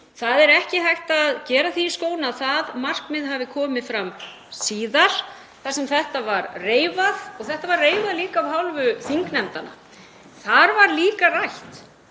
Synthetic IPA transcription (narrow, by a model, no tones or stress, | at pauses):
θaðɛɾɛhcɪhajht̪aːðcɛːɾaθiskoːwnaːðθaðmar̥kmɪðɦaːvɪkʰɔːmɪðfɾam | siːðaɾ̥ | θasɛmθɛht̪avaɾreːjvaðɔɣθɛht̪avarreːjvaðliːkaːvɦawlvʏθiŋknɛmt̪ana̰ | θaɾvaɾliːkarajht̪